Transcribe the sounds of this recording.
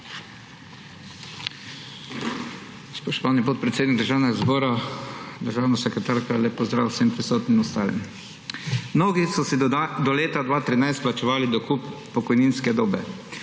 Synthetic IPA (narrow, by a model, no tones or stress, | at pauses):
spɔʃt̪ɔʋanipot̪̚pɾɛt̪seːd̪niɡ̚d̪əɾʒaːwnɛɡazboːɾad̪əɾʒaːwnasɛkɾɛt̪aɾkɔlɛpɔzd̪ɾawsempɾisoːt̪nimɔst̪aːlḭm | mnoːɡisɔsid̪ɔleːt̪ad̪ʋaːt̪ɾinajst̪̚plat͡ʃɛʋaːlid̪ɔkupː | ɔkɔjninskɛd̪oːbɛ